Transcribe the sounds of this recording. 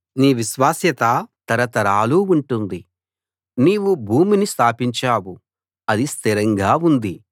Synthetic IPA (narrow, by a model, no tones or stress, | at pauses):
niːʋiʃʋaːsjɐt̪ɐt̪ɐɾɐt̪ɐɾaːluːuɳʈund̪i | niːwubʱuːminist̪ʰaːpiɲt͡ʃaːwu | ɐd̪ist̪ʰiɾɐŋɡaːund̪i